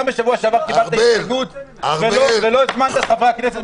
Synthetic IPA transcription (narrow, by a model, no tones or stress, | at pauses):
ambeʃavuaʃavaʁkibataanut̪velovelo̞zmant̪asavʁeaknes̬et̪